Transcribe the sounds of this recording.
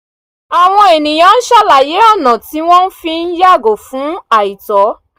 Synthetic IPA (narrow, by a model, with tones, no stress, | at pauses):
a˨w̃ɔ̃˧e˨nĩ˨j̃ã˨˦n̩˦ʃa˦la˨je˨˦ɔ˦˨nã˨ti˨˦w̃ɔ̃˦n̩˦fi˧n̩˦ja˦˨ɡo˨fũ˨˦a˦˨i˨tɔ˨˦